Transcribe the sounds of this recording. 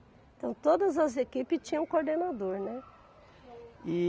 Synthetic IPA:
ẽt̪ɐ̃w̃t̪od̪ɐzɐzekipɪt͡ʃĩɲɐ̃koɾd̪enad̪oɾnɛ | i

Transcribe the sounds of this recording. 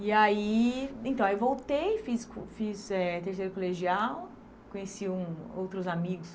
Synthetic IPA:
iaiẽt̪ɐ̃w̃aewvowt̪ejfiskfizɛt̪eɾsejɾʊkoleʒiaw | kõɲesiũowt̪ɾʊzamiɡʊs

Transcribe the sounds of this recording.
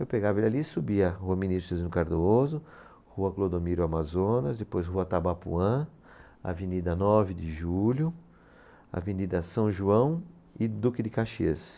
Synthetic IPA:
ewpeɡavɐalisubiɐhuɐminisɾʊezĩnʊkaɾd̪oozʊ | huɐklod̪omiɾʊamazõnɐzd̪ɪpojzhuɐt̪abapṵɐ̃ | a̰venid̪ɐnɔvɪd̪ɪʒulʲjʊ | ɐ̰venid̪ɐsɐ̃w̃ʒuɐ̃w̃ | ɪd̪ukɪd̪ɪkaʃes

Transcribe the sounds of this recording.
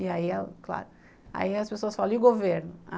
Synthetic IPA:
iaiɛlkla̰ɾʊ | a̰iɐspesoɐsfalɐ̃ʊɡoveɾnʊa

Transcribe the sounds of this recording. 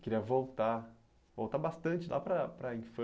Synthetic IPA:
kɪɾiɐvowt̪a | vowt̪aɾbast̪ɐ̃nt͡ʃɪlʔa̰pɾɐpɾɐĩfɐ̃

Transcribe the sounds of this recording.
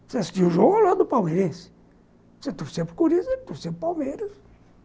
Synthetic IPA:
seasi̥t͡ʃiʊʒoɡlad̪ʊpawmeɾẽsɪ̥ | set̪ovsẽmpɾɪkuɾizet̪ovsẽmpɾɪpawmeɾɐs

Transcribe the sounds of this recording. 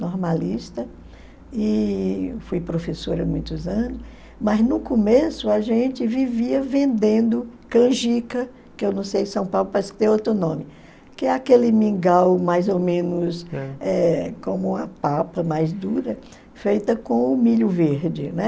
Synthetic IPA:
nɔɾmaliʃt̪ɐ | i | fujpɾofesoɾɐmũj̃t̪ʊzɐ̃nʊs | mɐznʊkõmesʊɐʒẽt͡ʃɪviviɐvẽnd̪ẽnd̪ʊkɐ̃ʒikɐ | kɪewnɐ̃w̃sejsɐ̃w̃pawlʊpɾaskt̪ẽot̪ɾʊnõmɪ | kɪɛakelɪmĩɡawmajzomẽnʊsɛkõmʊɐpapɐmajzd̪uɾɐ | fejt̪ɐkõʊmiʎʊveɾd͡ʒɪnɛ

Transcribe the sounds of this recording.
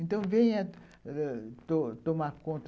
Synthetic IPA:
ẽnt̪ɐ̃w̃vẽj̃ɐ | t̪ot̪omaɾkõnt̪

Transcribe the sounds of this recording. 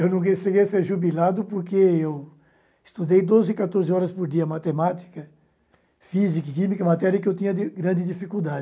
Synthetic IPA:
ewnɐ̃w̃keseɡeseɾʒubilad̪ʊpoɾkeew | ɪst̪ud̪ejd̪ozɪkat̪oɾzɪɔɾɐspoɾd̪iɐmat̪emat̪i̥kɐ | fizikɐkĩmikɐmat̪ɛɾjɐkɪewt̪ĩɲɐd̪ɪɡɾɐ̃nd̪ɪd̪ifikuwd̪ad͡ʒɪ

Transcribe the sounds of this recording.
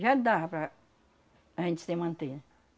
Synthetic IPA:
ʒad̪aɐpɾɐː | ʒẽnt͡ʃɪ̥semɐ̃nt̪eɾ

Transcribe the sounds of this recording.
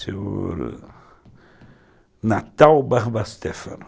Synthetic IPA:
seoɾ | nat̪awbaɾbast̪efɐ̰n

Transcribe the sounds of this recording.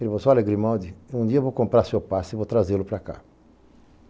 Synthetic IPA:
elivosoaleɡɾimɔ̃d̪iũnd̪iɐvokõmpɾaɾsewpasivot̪ɾazelʊpɾaka̰

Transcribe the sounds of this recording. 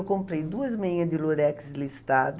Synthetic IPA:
wkõmpɾejd̪uɐzmẽɲɐd̪ɪloɾɛkɪ̥zlist̪ad̪

